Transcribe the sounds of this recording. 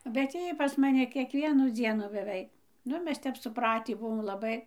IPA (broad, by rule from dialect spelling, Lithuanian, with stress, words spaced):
bʲɛt ˈjiː pɐs mɐˈnʲɪ kʲiɛkˈʋʲiɛnuː ˈd͡zʲiɛnʊ bʲɛˈʋʲɛɪ ˈnʊ ˈmʲɛs ˈtʲɛp sʊˈprɑːtʲiː bʊˈʋoːm lˠɐˈbɐɪ